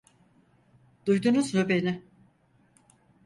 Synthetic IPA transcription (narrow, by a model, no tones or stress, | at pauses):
d̪̥ujd̪unuznøbenɪ